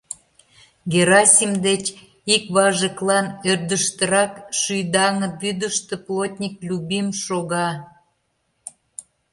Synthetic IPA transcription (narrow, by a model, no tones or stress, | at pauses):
ɡeɾɑsʲimd̪et͡ɕ | ikβɑʒəklɑnørd̪əʃt̪əɾɑkʃyjd̪ɑŋət̪̚βyd̪əʃt̪eplot̪ʲnʲiklʲubimʃoɣɑ